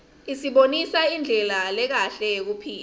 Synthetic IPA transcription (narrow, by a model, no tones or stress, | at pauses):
isiɓonisaind͡ɮʱɛlalɛk̬aɬɛjek̬upʰiːl